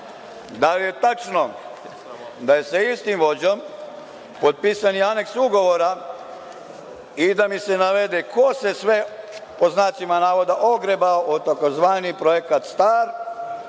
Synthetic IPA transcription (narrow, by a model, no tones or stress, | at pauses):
d̪alije̞t̪at͡ʃno̞ | d̪aje̞saist̪imʋo̞d͡ʑo̞m | po̞d̪̚piːsaniane̞ksuɡo̞ʋo̞ɾa | id̪amise̞naʋe̞d̪ekʰo̞se̞sʋe̞poznaːt͡ʃimanaːʋo̞d̪aʔo̞ɡɾebaoʔot̪ako̞zʋaːnipɾo̞jekat̪st̪aːɾ